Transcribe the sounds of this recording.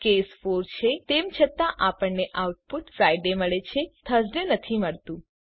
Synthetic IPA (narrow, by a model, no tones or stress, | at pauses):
kesfoɾt͡ʃʰet̪emt͡ʃʰət̪aʔapəɳnːeʔawʈ̚puʈfɾajɖeməɭet͡ʃʰet̪ʰəsɖenət̪ʰiməɭt̪ũ